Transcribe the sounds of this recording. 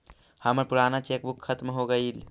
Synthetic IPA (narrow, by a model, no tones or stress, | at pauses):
həməɾpuɾanat͡ʃek̚bukʰːət̪mɦoɡəil